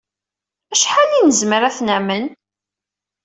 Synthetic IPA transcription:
æʃħalinəzməɾæθnæmən

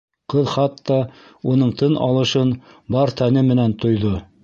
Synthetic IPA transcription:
qɤðχɑt̪ːɑ | unɤɴt̪ɤnʔɑ̰lˠɤ̆ʃɤn | bɑɾt̪ʰænɘmɘ̆nænt̪ŏjðo

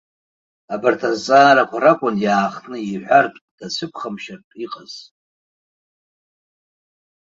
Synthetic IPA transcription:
abartʰazt͡sʼaːɾakʷʰaɾakʷʼʊnjaːχtʰʼnɨiħʷartʼd̥at͡sʷʰɨpʰχamʃarʼiqʼaz̥

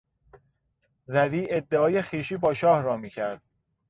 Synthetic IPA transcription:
zæɾiːed̪ːeɒːjexiːʃiːbɒːʃɒːhɾɒːmiːcʰæɾd̪̥̚

